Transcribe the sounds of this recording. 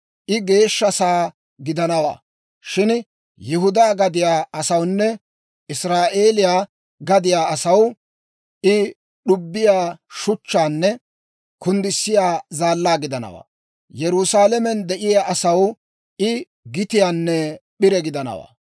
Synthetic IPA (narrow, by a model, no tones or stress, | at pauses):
ʔɪɡe̞ːʃːɐsaː | ɡɪd̪ɐnɐwa̰ː | ʃɪn | jʊɦʊd̪aːɡɐd̪ɪjaːɐsɐwnːɛ | ɪsɾaːʔe̞ːlɪjaː | ɡɐd̪ɪjaːɐsɐw | ʔɪ | ɗʊbːɪjaːʃʊt͡ʃːaːnːɛ | kʊnd̪ɪsːɪjaːzaːlːaːɡɪd̪ɐnɐ̰wa̰ː | jɛɾʊsaːlɛmɛnd̪ɛʔɪjaːʔɐsɐw | ɪ | ɡɪt̪ɪjaːnːɛɓɪɾɛɡɪd̪ɐnɐ̰wa̰ː